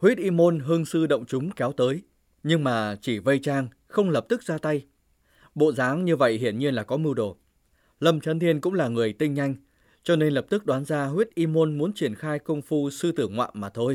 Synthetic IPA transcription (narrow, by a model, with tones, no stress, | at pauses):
hwi˦˥t̚ʔi˧mo˧nɦɨ˧əŋsɨ˧ɗə̰˧˨wŋ͡mt͡ɕʊ˨˦ŋ͡mkɛ˨˦wt̪əː˨˦j | ɲɨ˧ŋmaː˨˩t͡ɕi˧˩və˧jt͡ɕaː˧ŋ | xə˧wŋ͡mləː˨˩p̚t̪ɨ˦˥k̚zaː˧t̪a˧j | ɓo̰˧˨zaː˨˦ŋɲɨ˧və̰˧˨jhḭ˧˩ənɲi˧ənlaː˨˩kɔ˨˦mɨ˧wɗo˧˩ | lə˧mt͡ɕə˧nt̪ʰi˧ənkʊ̰˧˥ŋ͡mlaː˨˩ŋɨ˨˩əjt̪ï˧ŋ̟ɲa˧jŋ̟ | t͡ɕɔ˧ne˧nlə˨˩p̚t̪ɨ˦˥k̚ɗwaː˨˦nzaː˧ɦwi˦˥t̚ʔi˧mo˧nmu˨˦ənt͡ɕi˧˩ənxaː˧jkə˧wŋ͡mfu˧sɨ˧t̪ɨ˧˩ŋwa̰ː˧˨nmaː˨˩t̪ʰo˧j